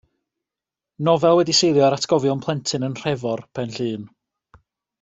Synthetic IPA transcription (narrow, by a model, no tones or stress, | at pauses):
nɔvɛlˠwɛdisejlˠjɔɾatʰɡ̥ɔvjɔnpʰlˠɛntʰɨnənr̥ɛvɔrpʰɛnɬɨːn